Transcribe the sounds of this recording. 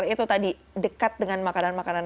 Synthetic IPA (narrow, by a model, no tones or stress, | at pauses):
rit̪ut̪adi | dəkat̪̚dəŋanmakananmakanan